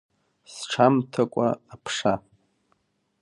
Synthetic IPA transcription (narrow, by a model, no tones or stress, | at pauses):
sʈ͡ʂʰamtʰakʷʼa̰ːpʰʂa